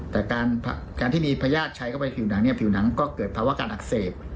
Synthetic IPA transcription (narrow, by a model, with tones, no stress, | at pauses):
t̪ɛː˨˩kaː˧npʰa̰˧kaː˧nt̪iː˥˩miː˧pʰaː˧jaː˥˩t̪̚t͡ɕʰa˧jkʰa˥˩pa˧jpʰiː˨˩wna˩˦ŋni˥˩ɐpʰi˨˩wna˩˦ŋkɔː˥˩kɤː˨˩t̪̚pʰaː˧wa˥˩kaː˧nʔa˨˩k̚seː˨˩t̚